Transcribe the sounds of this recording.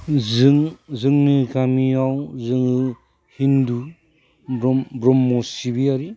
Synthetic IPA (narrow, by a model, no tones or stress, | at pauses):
zɯŋzɯŋnɯɡamiawzɯŋɯ | hindu | bɾɔmbɾɔmːɔsibiaɾi